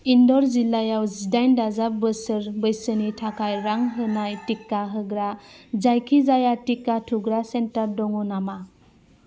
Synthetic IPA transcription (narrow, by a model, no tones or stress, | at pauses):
indɔɾzilajawzidajndazabəsɯɾbəjsənitʰakʰajɾaŋɦɯnajtikːaɦɯɡɾazajkʰizajatikːatʰuɡɾasentaɾdɔŋunama